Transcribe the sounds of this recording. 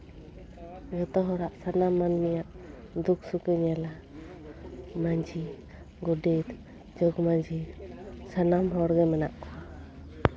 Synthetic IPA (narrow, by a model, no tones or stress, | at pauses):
ɡɔt̪ɔɦɔɾaʔsanamːanmijaʔ | d̪uk̚sukəɲala | maɲd͡ʒi | ɡɔɖit̪ | d͡ʒɔɡmaɲd͡ʒisanamɦɔɾɡɛmɛnaʔkɔa